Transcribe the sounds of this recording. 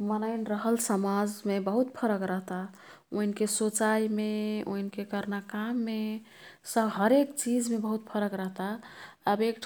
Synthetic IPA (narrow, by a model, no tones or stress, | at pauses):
mənəɪnɾəɦəlsəmad͡ʒmebəɦut̪pʰəɾəkɾəɦt̪a | o̰ɦinkesot͡ʃaimeo̰ɦinkekəɾnakamːe | səbɦəɾekt͡ʃid͡ʒmebəɦut̪̚pʰəɾəkɾəɦt̪aəbek̚ʈʰ